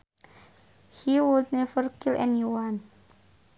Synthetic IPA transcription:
hiwud̪̚nɛvərkilɛ̰niwan

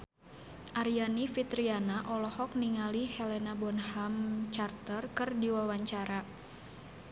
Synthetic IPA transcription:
ʔaɾianifit̪ɾianaʔɔlɔhɔk̚niŋalihɛlɛnabɔnhamt͡ʃart̪ərkɨrdiwawaɲt͡ʃaɾa

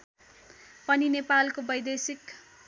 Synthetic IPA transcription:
pʌninepalkobʌjd̪esik

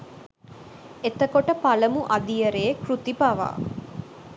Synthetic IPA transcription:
et̪əkoʈəpɐləmuʔɐd̪ijɐɾeːkɾut̪ipaʋa̰ː

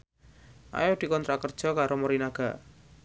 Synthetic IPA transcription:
ʔa̰jod̪̥i̤kɔnt̪ɾakərd̥ʒ̥ɔ̤kaɾomɔɾinaɡ̥a̤

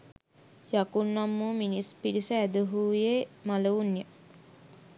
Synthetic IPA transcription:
jakunːamːuːminispilisəæd̪əɦuːjemaləunjə

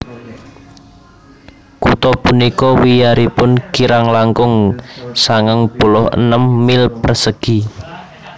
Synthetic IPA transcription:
kut̪ɔpunikɔwijaɾipʊnkiɾaŋlaŋkʊŋsaŋəŋb̥o̤lɔhə̰nəmːilpərsəɡ̥i̤

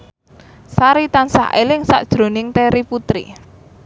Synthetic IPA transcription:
saɾit̪ansa̰hḛlɪŋsa̰ʔd̥ʒ̥ɾo̤nɪŋt̪eɾiput̪ɾḭ

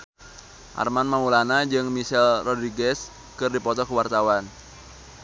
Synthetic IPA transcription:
ʔa̰rmanmamulanad͡ʒɨŋmisɛlrɔdɾiɡɛs | kɨrdipɔt̪ɔkəwart̪awan

